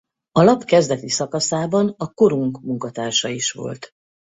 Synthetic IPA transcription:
ɒlɒpkɛzd̪ɛt̪isɒkɒsaːbɒnɒkoɾuŋkmuŋkɒt̪aːrʃɒiʃʋo̞̰lt̪

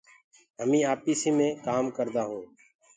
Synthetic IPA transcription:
ɦəmĩːaːpiːsiːmẽːkaːmkəɾd̪aːɦoː

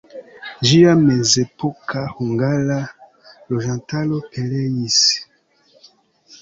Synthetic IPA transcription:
ʒiɾamɛzepokʰahuŋɡala | loʒãtalopɛlɛɲisi̥

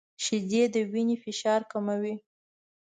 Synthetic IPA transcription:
ʃɪd̪ed̪əwinifɪʃɑɾkamawi

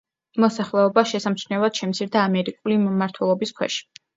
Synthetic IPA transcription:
mɔsaχlɛɔbaʃɛsamt̪t͡ʃʰnɛvad̪̥ʃɛmt̪sʰiɾd̪aːmɛɾikʼulimaɾt̪ʰwɛlˠɔbiskʰwɛ̰ʃi̥

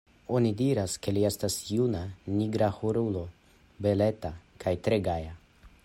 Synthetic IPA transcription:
o̞nidiɾaske̞lie̞stasjunaniɡɾahuɾulo̞ | be̞le̞takʰajtɾe̞ɡaja

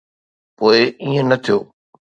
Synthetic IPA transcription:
poːɪiːə̃nɐt̪ʰijoː

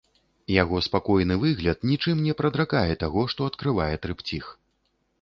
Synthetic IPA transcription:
jaɣɔspakɔjnɨvɨɣlʲɐt̪nʲit͡ʂɨmnʲɛpɾɐd̪ɾakajɛt̪aɣɔʂt̪ɔɐt̪kɾɨvajɛt̪ɾɨpt͡sʲix

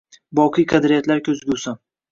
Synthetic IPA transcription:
bɒqʰijqʰad̪ɾɪjat̪laɾkʲʰɵzɡʲusɪm

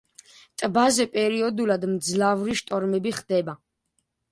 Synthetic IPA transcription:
t̪ʼbazɛpʼɛɾiɔd̪ulad̪md̪zlavɾiʃt̪ʼɔɾmɛbiχd̪̥ɛba

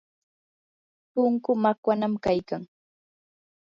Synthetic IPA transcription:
pʊŋkʊmakwanamkajkaŋ

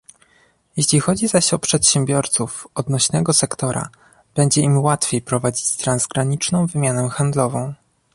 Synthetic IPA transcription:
jeɕlʲixɔd͡ʑizaɕɔpʂɛt̪ɕɛmbʲjɔɾt̪sufɔd̪nɔɕnɛɡɔsɛkt̪ɔɾʔa̰ | b̥ɛɲd͡ʑɛimwat̪fʲjejpɾɔvad͡ʑit͡ɕt̪ɾanzɡɾaɲit͡ʂnɔ̃w̃vɘmʲjanɛxand̪lɔvɔ̃w̃

